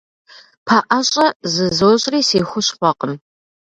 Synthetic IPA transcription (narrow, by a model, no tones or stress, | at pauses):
pʰɐʔɐɕʼɐzɨzoːɕʼriːsiːxʷʊɕχʷɔqəm